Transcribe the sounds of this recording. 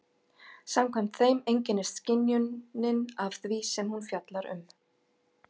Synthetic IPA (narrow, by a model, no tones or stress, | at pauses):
samkʰvɛm̥t̪θejmejɲcɛnɪst̪scɪnjʏɪnavθvisɛmhunfjat̪laɾʏ̰m